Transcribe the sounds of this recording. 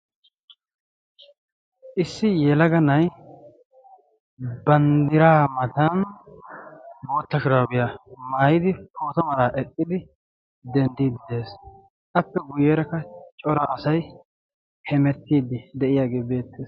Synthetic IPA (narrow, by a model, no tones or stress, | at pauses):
ʔɪsːɪjɛlɐɡɐnɐj | bɐnd̪ɪɾaːmɐt̪ɐn | bo̞ːt̪ːɐʃɪɾaːɡɪjamaːjɪd̪ɪpʰoːt̪ɐmɐlaːʔɛkʼːɪd̪ɪ | d̪ɛnd̪iːd̪ɪd̪e̞ːs | ʔɐpːɛɡʊjeːɾɐkːɐt͡ʃʼɔɾaʔɐsɐj | hɛmɛt̪ːiːd̪ɪd̪ɛʔɪjaːɡe̞ːbe̞ːt̪ːeːs